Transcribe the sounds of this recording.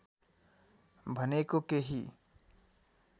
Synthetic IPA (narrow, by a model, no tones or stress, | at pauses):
bʱənekokeɦi